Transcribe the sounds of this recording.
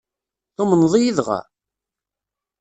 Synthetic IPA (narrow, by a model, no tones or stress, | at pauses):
θomənðˤijiðʁa̰